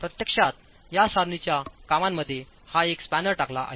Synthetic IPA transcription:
pɾət̪jəkʂat̪ | jasaɾnit͡ɕjakamamːəd̪ʱːje | haekspænəɾʈakla̰ʔa̰ɦe

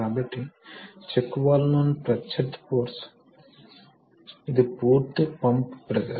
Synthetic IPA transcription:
abɐʈit͡ʃekːuʋaːlnonpɾɐt͡ʃeʈ̪poːɾs | id̪ipuːɾt̪pɐmpbɾɐd̪ɐɾ

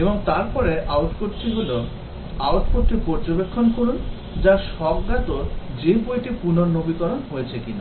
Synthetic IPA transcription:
eboŋt̪aɾpɔɾeʔawʈfoʈʈiɦulo | awʈfoʈʈipɔɾd͡ʑobekʰːonkoɾun | d͡ʑaʃɔbɡat̪oɾd͡ʑepojʈipunoɾnobikɔɾonɦojet͡ɕʰekina

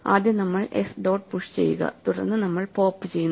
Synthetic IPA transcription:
aːd̪jɐnɐmːɐɭḛsɖo̞ːɖ̚puʂt͡ɕe̞̰jːuɣɐ̰t̪uɽɐ̰rnːɨnɐmːɐɭpo̞ːpːɨt͡ɕejunː

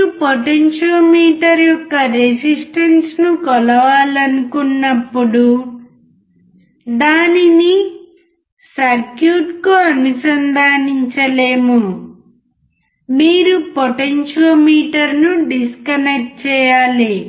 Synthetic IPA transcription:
upoʈenʃɐlmiːʈɐɾjɔkːɐɾesisʈɐnsnukɔlɐʋaːlɐnukunːɐpːuɽu | d̪aːnini | sɐɾkjuːʈkoɐnut͡ʃɐnd̪aːniɲt͡ʃɐleːmu | miːɾupoʈenʃɐlmiːʈɐɾnuɖiskɐnek̚ʈ̚t͡ʃɛːjaːli

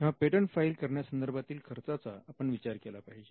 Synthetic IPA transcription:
ẽʋ̤apeʈəɳfailkəɾɳjasənd̪əɾbʱat̪iːlkʰəɾt͡sat͡saːpəɳʋit͡ɕaɾkɛlapaɦid͡ʑe

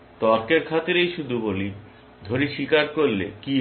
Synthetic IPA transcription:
t̪ɔɾkeɾkʰat̪eɾejʃud̪ʱuboli | d̪ʱoɾiʃikaɾkoɾːḛki

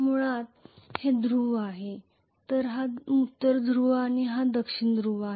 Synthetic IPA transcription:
m̤uɭ̃at̪hed̪ɾuʋaɦe | t̪əɾɦamut̪ːəɾd̪ɾuʋaɽ̃iɦad̪əkʂiɳd̪ɾuʋaɦe

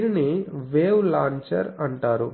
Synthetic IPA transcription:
ɾiniʋeːwlaːɲt͡ʃɐ̰ɾɐɳʈaːɾu

